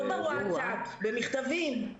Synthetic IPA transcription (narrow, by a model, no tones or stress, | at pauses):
maaabemiχt̪avim